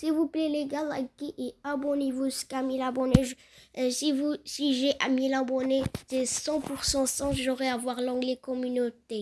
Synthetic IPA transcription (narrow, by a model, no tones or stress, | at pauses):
silvuplɛleɡalakiʔeabɔnevuskamilabɔnɛʒ | sivusiʒɛʔamilabɔnesesɑ̃puʁsɑ̃sɑ̃ʒoʁɛavwaʁlɑ̃ɡlɛkɔmynot̪e